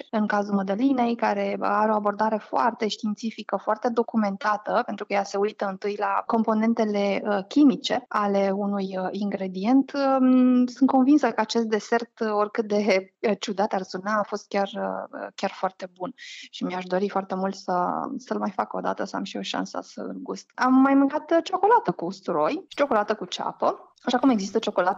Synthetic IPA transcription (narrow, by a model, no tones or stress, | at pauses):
ɨŋkazulməd̪əline̞jkaɾe̞aɾeo̞abo̞rd̪aɾe̞foart̪e̞ʃt̪int̪sifikəfoart̪e̞d̪o̞kume̞nt̪at̪əpe̞nt̪ɾukəjase̞ujt̪əɨnt̪ɨjlako̞mpo̞ne̞nt̪e̞le̞əkʲimit͡ʃe̞ale̞unujiŋɡɾe̞d̪ie̞nt̪əsunt̪ko̞nvinsəkəat͡ʃe̞st̪̚d̪e̞se̞rt̪o̞rʲkɨt̪̚d̪e̞ət͡ʃud̪at̪arsunaːfo̞st̪̚kʲarəə̰kʲarfoart̪e̞bunʃimiaʃd̪o̞ɾifoart̪emult̪səsəlmajfakəo̞d̪a̰t̪əsəa̰mʃio̞ʃa̰nsə̰sə̰ɨ̰lɡust̪amːajmɨŋkat̪t͡ʃo̞ko̞lat̪əkust̪ɾo̞jʃi̥t͡ʃo̞ko̞lat̪əkut͡ʃa̰pə | aʃakume̞ɡzist̪ət͡ʃo̞ko̞lat̪əə